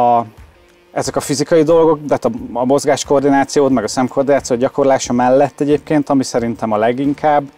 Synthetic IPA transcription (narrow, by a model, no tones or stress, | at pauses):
ɒ | ɛzɛkɒfizikɒjid̪o̞lɡo̞kt̪ɛːt̪ɒɒmo̞zɡaːʃko̞rd̪inaːt̪sijoːt̪mɛɡɒsɛmkʰo̞ːrd̪inaːt̪sioːɟɒko̞rlaːʃɒmɛlːɛt̪ːɛɟeːpkeːnt̪ɒmisɛɾint̪ɛmɒlɛɡiŋkʰaːbː